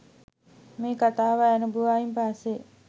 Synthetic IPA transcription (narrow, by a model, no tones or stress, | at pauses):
meːkat̪aːʋaːnubuʋaːjimpaːse